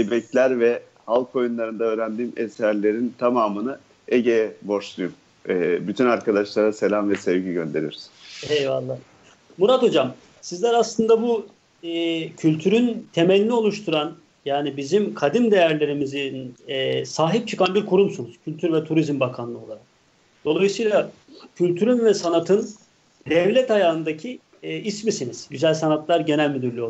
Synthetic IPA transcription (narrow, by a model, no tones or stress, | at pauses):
ibɛclʲæɾvɛ | halˠkʰo̞junlˠaɾɯnd̪aøːɾænd̪iːmesæɾlʲe̞ɾint̪ʰamaːmɯnɯ | eɟejɛbo̞ʃlˠujum | ɛbyt̪ʰynaɾkad̪aʃlˠaɾase̞lʲamvɛsɛvɟiɟønd̪e̞ɾijo̰ɾuzejva̰lˠːaː | muɾat̪o̞d͡ʒam | sizlʲæɾaslˠɯnd̪abu | cʰylʲt̪ʰyɾynt̪ʰemɛlʲːio̞lˠuʃt̪ʰuɾan | jaːnibizimkʰad̪imd̪e̞jæɾlʲe̞ɾimizi | saːɦip̚t͡ʃʰɯkʰanbiɾkʰuɾumsunuz̥cʰylʲt̪ʰyɾvɛt̪ʰuɾizmbakʰanlˠɯo̞lˠaɾak̚ | d̪o̞lˠajɯsɯjlˠa | cʰylʲt̪ʰyɾynvɛsanat̪ʰɯn | d̪ɛvlʲɛt̪ajaːɯnd̪acʰi | ismisiniz̥ɟyzælʲsanat̪lˠaɾɟe̞nælʲmyd̪yɾlʲyjo